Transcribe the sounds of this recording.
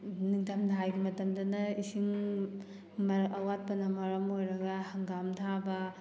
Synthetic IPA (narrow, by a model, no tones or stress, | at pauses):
niŋtamdaɦajɡimɐtɐmdɐnɐisiŋ | mɐɾɐwat̚pɐnɐmɐɾɐmojɾɐɡɐhɐŋɡamtʰabɐ